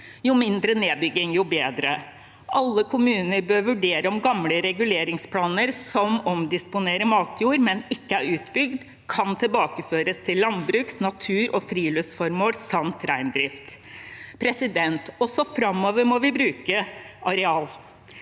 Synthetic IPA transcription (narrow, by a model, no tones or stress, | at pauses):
jʊmɪnd̪ɾəneːbʏɡɪŋjʊbeːd̪ɾə | ʔɑlːəkʰʊmʉːnənəɾbøːɾʋʉɖeːɾəɔmɡɑmləɾɛɡʉleːɾɪŋspʰlɑːnəɾsɔmɔmd̪ɪspʊneːɾəmɑːt̪ʰjuːɾmɛnɪkːəæɾʉːt̪bʏɡd̪ | kʰɑnt̪ʰɪlbɑːkəføːɾəst̪ʰɪlːɑnbɾʉːksnɑt̪ʰʉːɾʔɔfɾiːlœsfɔɾmoːlsɑmt̪ɾæɪnd̪ɾɪft̪pʰɾɛsɪd̪ɛnt̪ɔsɔfɾɑmːoːʋəɾmɔʋɪbɾʉːkəʔɑɾɛɑːl